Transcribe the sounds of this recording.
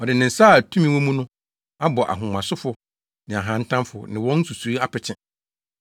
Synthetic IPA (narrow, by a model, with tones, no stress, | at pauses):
ɔ˨dɪ˨nɪ̃˨n̩˨saː˦˨tʰũ˦mĩ˦wɔ̃˦mũ˦nʊ̃˦ | a˦bɔ˨ʔa̰˨ɦʊ̃˨mã˨sʊ˦fʊ˨ | nɪ̃˨a˨ɦã˨˦n̩˦tʰã˦mfʊ˨nɪ̃˨wɔ̃˦n̩˦su˨su˨i˦a˦pɪ˨t͡ɕʰɪ̃˦